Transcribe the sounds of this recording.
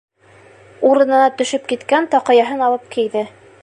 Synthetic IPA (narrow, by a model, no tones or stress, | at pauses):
uɾɤ̆nɤ̆nɑt̪ɵ̆ʃɵp̚kit̪kænt̪ɒqɤ̆jɑɦɤnɑlˠɤp̚kĭjðɘ